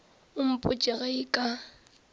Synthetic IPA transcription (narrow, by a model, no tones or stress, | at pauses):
ʊm̩pʼʊt͡ʃʼɪɣaikʼa